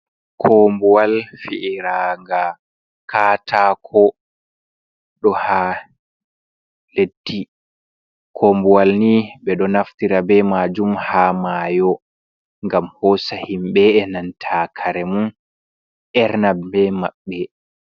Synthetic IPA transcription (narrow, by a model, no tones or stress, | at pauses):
kʰombuwalfiʔiɾaŋɡa | kaːtʰaːkʰɔ | ɗɔha | letːi | kʰoːmbuwalniɓɛɗɔnaftiɾabɛmaːd͡ʒumhaːmajɔ | ŋɡamhɔːsahimɓɛɛnantʰaːkʰaɾɛmun | ʔɛɾnabɛmaɓːɛ